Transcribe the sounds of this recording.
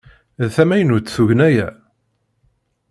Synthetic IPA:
ðθæmæjənut͡sːθuʝənæjæ

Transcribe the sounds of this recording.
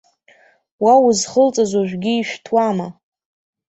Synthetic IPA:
wauzχəlt͡sʼazʷaʒᶣʷɡʲiːʃʷᶣtʰwama

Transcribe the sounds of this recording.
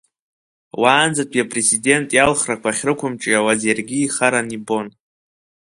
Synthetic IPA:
waːnd͡zatʼiapʼre̞zide̞ntʼjalχrakʷaχʲrɨkʷʰʊmʈ͡ʂʼiawazjarɡʲiːχaɾanibo̞n

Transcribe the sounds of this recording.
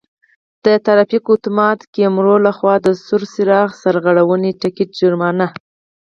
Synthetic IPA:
d̪̥ət̪aɾɑfikʊt̪mɑt̪kemɾolaxwɑd̪əsʊɾsɪɾɑɣsaɾɣaɽawəniʈɪkeʈ̚d͡ʒʊɾmɑna

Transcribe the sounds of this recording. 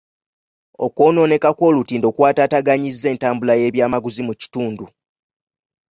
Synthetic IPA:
o̞̰ko̞ːno̞ːne̞kako̞ːlutiːndo̞kwaːtataɡaɲizːe̞ːntaːmbulaje̞ːβjaːmaɡuzimuci̥tuːndu

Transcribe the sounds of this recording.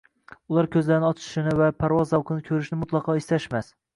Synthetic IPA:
ʊlˠaɾkʲʰɵzlaɾnɪɒt͡ʃ̪ʰɪ̥ʃɪnɪvapʰaɾvɒzːawqɨnɪkʲʰɵɾɪʃnɪmʊt̪lˠɑqʰɒɪst̪aʃmas

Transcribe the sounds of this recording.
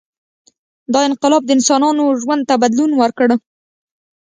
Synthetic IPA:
d̪ɑɪnqɪlɑb̚d̪əɪnsɑnɑnoʒwand̪̚t̪abad̪lunwəɾkɽ

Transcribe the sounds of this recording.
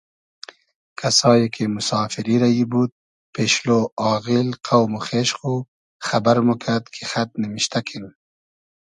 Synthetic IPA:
kʰasɑːjekʰemʊsɑːfiɾiɾajibud̪̚ | peʃloɑːɣɪlqʰawmuxeʃxu | xabaɾmukʰad̪kʰexat̪̚nɪmiʃt̪akʰin

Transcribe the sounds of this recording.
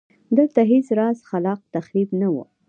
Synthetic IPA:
d̪əlt̪aɦesɾɑzxalɑq̚t̪axɾibnawṵ

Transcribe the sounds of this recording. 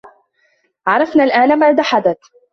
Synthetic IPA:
ʕɑɾˤɑfnalʔaːnamaʕd̪aħad̪at̪

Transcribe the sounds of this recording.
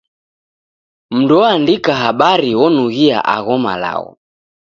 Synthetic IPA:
m̩nduɔandikaɦaɓaɾiwɔnuɣia̰ʔa̰ɣɔma̰la̰ɔ̰

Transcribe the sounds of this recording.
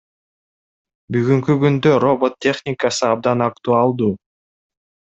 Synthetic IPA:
byɣyŋkyɡynd̪øɾo̞bo̞t̪̚tʲːe̞χnʲɪkasɯɑb̚d̪ɑnakt̪uɑlˠd̪uː

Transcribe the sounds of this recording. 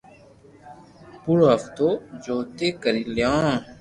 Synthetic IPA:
puɾoɦəft̪oːd͡ʒoːt̪eːkəɾiːljõː

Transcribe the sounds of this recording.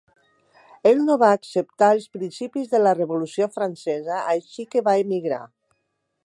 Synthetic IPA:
elnoβaːksep̚t̪aəlˠspɾinsipizðələrəβulusiofɾansɛzaːjʃikeβaemiɣɾa̰

